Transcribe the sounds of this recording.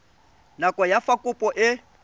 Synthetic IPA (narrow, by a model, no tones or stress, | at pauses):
nakʼɔjafakʼʊpʼɔʔɪ